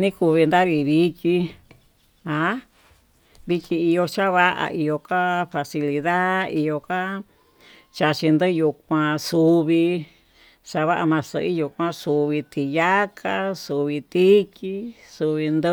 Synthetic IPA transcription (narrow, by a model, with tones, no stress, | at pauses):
nĩ˦ku˧βi˧nd̪a˦βi˧βi˧ki˧ | a˧˦ | βi˧ki˧i˧jo˧t͡ʃa˦βa˦ʔa̰˧ʔi˧jo˧ka˦fa˧si˧li˧ða˦i˧jo˧ka˦ | t͡ʃa˧t͡ʃi˧nd̪ɨ˦ju˧k̚ʷã˧su˧βi˧ | t͡ʃa˧βa˦ʔa˧mã˧sɨ̰˧˨ʔi˦ju˧kʷã˦su˧βi˧t̪ʰi˧ja˦kʰa˦su˧βi˧t̪i˦ki˦su˧βi˧nd̪ɨ˦